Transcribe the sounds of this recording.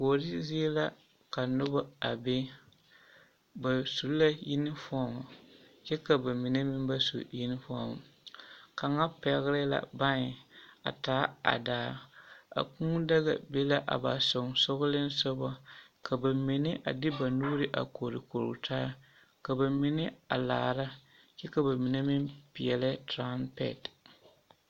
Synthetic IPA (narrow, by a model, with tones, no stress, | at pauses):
ko˨ɾɪ˦zi˦e˦la˦ | ka˨nʊ˦ba˦a˨be˦ | ba˨su˨lla˦ji˦nɪ˦fɔ˦˨ma˨ | jɛ˦ka˨ba˨mi˨ne˦mɪ˦m˦ba˦sṵ˨ji˦nɪ˦fɔ˦m̰˨ka˨ŋa˦pɛ˨˦ɣɾɪ˦la̰˨ba˦ɲɪ˨a̰˨taː˨˦a̰˨daː˨˦a̰˨kũː˦da˦ɣa̰˨be˦la˦ʔa̰˨ba˨so˨ŋsʊ˦ɣʊ˦lɪ˦n˦sɔ˦ba˦ka˨ba˨mi˨nɪ˦ʔa̰˨dɪ˦ba˨nuː˦ɾɪ˦ʔa̰˨ko˨ɾɪ˨ko˨ɾʊ̰˨tʰaː˦ | ka˨ba˨mɪ˦nɪ˦a̰˨laː˨ɾa˦ | t͡ʃɛ˦ka˨ba˨mi˨ne˦mɪ˦mpi˨jɛ˨lɪ˦tɾa˦mpɛ̰˦˨t